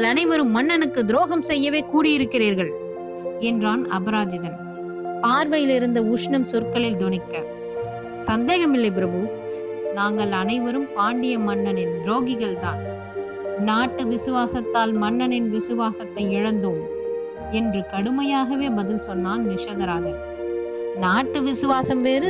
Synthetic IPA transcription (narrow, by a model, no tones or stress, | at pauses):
ɐɭɐnɐɪʋɐɾɯmːɐnːɐnɯkːɯd̪ɪɾoːɣɐmsɛjːɐʋeːkuːɽɪjɪɾɯkːɪriːɾɣɐɭ | ɛndraːnɐ̰bɐɾaːd͡ʒɐðɐn | paːɾʋɐjɪlɪɾɯnd̪ɐuʂɳɐmsɔrkɐɭɪld̪ɔɳɪkːɐ | sɐnd̪eːɣɐmɪlːɐɪp̬ɪɾɐbɯ | naːŋɡɐɭɐnɐɪʋɐɾɯmpaːɳɖɪjɐmɐnːɐnɪnɾoːɣɪɣɐɭt̪aːn | naːʈːɯʋɪsɯʋaːsɐt̪ːaːlmɐnːɐnɪnʋɪsɯʋaːsɐt̪ːɐɪɪɻɐnd̪oːm | ɛndrɯkɐɽɯmɐjaːɣɐʋeːbɐðɪlsɔnːaːnnɪʂɐðɐɾaːðɐl | naːʈːɯʋɪsɯʋaːsɐmʋeːɾɯ